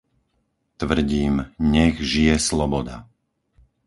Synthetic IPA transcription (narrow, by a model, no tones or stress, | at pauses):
t̪ʋr̩ɟiːmɲɛɣʒijɛslɔbɔd̪a̰